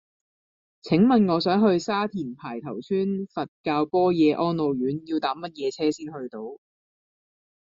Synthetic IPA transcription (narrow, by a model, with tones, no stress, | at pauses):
t͡sʰɪ˨˥ŋmɐ˨nŋɔː˨˧sœː˨˥ŋɦɵ˧ɥsaː˥t̪ʰiː˨˩npʰaː˨˩jt̪ʰɐ˨˩wt͡sʰyː˥nfɐ˨t̚kaː˧wpɔː˥jɛː˨˧ʔɔː˥nlo˨˧wjyː˨˥njiː˧wt̪aː˨˥mɐ˥t̚jɛː˨˧t͡sʰɛː˥siː˥nhɵ˧ɥt̪o˧w